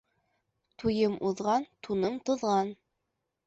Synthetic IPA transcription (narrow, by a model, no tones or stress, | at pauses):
t̪ujɤmʔuðʁɑnt̪unɤmt̪ŏðʁɑn